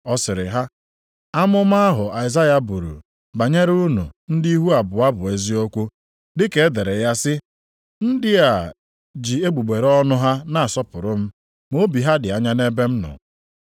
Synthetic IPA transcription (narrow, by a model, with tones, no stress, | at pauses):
ɔ˦sɪ˨ɾɪ˨ɦa˦ | a˦mʊ˦m˦a˦ɦʊ˨a˨ɪ˨za˦ja˦bu˨ɾṵ˨ | ba˨ɲe˦ɾu˦nṵ˨n̩˦di˦ɦu˦a˨bʊ˨a˦bʊ˨e˨zi˦o˦kʷu˦ | dɪ˦ke˦de˨ɾe˨ja˦sɪ˦ | n̩˦dɪ˦a˨ | d͡ʒi˨e˦ɡ͡bu˨ɡ͡be˨ɾɔ˦nʊ˦ɦa˦na˨a˨sɔ˦pʊ˨ɾʊ˦m̩˦ | mo˦bi˨ɦa˦dɪ˨a˨ɲa˦ne˦be˦m̩˦nʊ̰˨